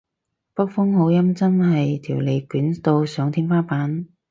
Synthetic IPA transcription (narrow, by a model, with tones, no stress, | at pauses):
pɐ˥k̚fʊ˥ŋho˨˧˥wjɐ˥mt͡sɐ˥nɦɐ˨jt̪ʰiː˨˩wle˨˧jkyː˨˥nt̪o˧wsœː˨˥ŋt̪ʰiː˥ŋfaː˥paː˨˥n